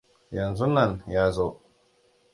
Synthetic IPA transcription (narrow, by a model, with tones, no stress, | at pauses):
jɐ˨nzu˦nɐ˦˨njaː˦zo˦